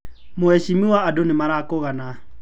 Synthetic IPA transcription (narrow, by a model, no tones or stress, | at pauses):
moɛʃimiwaːdonemaɾakoɣana